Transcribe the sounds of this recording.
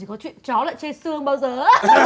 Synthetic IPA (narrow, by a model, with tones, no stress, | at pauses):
i˨˩kɔ˨˦t͡ɕwḭ˧˨ənt͡ɕɔ˨˦la̰ː˧˨jt͡ɕe˧sɨ˧əŋɓaː˧wzəː˨˩